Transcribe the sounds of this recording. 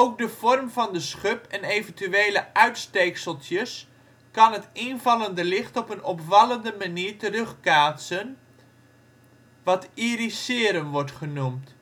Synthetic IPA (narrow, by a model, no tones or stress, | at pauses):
owk̚dəv̥ɔrmvɑndəsχøpɛnejvəntyeːləʔœɥtstejksəlˠtʰjəs | kɑnɦətɪnvɑləndəlɪχtɔpənɔpfɑləndəmaniːrtərɵχkaːtsən | ʋɑtirisɪːɾəmʋɔɹtχənumt